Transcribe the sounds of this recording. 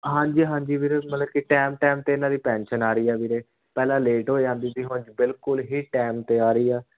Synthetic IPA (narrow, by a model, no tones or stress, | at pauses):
ɦãːɲd͡ʒiːɦãːɲd͡ʒiːʋiːɾeːmət̪ləb̚kiʈɛːmʈɛːmt̪eːɪnãːd̪iːpɛ̃ːnʃənaːɾəiːɛːʋiːɾeː | pɛːlãːleːʈɦoːid͡ʒãːnd̪iːt̪iːɦʊnt͡ʃbɪlkʊlɦiːʈɛːmt̪eːaːɾəiːɛː